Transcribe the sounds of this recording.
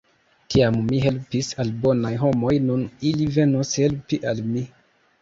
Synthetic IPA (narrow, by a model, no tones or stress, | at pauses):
tʰiamːiɦe̞lpisalbo̞najɦo̞mo̞jnunilive̞noshe̞lpiʔalmi